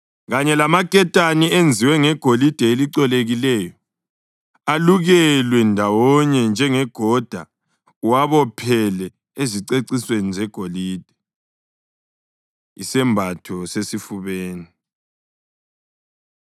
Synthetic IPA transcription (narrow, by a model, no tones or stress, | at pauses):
ɣaɲɛlamakʼɛtʼaniend͡zʱiwɛŋɛɡ̥ʱolid̥ʱɛeliǀɔleɣilɛjɔ | aluɣɛlwɛndʱawɔɲɛnd͡ʒʱɛŋɛɡ̥ʱɔd̥ʱa | waβɔpʰɛlɛ | eziǀeǀiswenizɛɡ̥ʱoliːd̥ʱɛ̥ | isɛmbʱatʰɔsesifuβeːni